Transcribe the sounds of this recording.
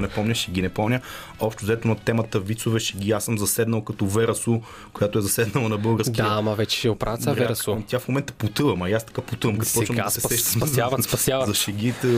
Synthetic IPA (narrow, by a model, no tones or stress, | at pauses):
nɛpɔmnʲəʃɛɡinɛpɔmnʲə | ɔpʃt̪ʊzd̪ɛt̪onɐt̪ɛmɐt̪əvit̪sovɛʃɛɡiasəmzɐsɛd̪nəlˠkɐt̪ɔvɛɾʔɐsu | kojat̪ʊɛzɐsɛd̪nɐlˠɐnɐbɤlˠɡəɾsdk̪ʲamɐvɛt͡ʃɛ̥ʃɛʊpɾavt̪saɾɛɾɐsut̪ʲafmomɛnt̪ə̥pʊt̪əvɐmɐjast̪ɐ̥kapʊt̪ɨvɐmkɐt̪ɔt͡ʃvɐmasɛɛʃt̪aspɐsjavzɐʃɛɡʲit̪ə